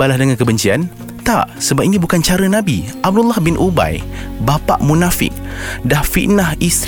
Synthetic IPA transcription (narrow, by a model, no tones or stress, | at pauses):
alahdəŋankəbəɲt͡ʃian | t̪aʔsəbap̚inĩbukant͡ʃaɾənãbiʔab̚dulːahbɪnʔuba̰jbapa̰ʔmũnafɪ̰k̚dahfiʔ̪nahis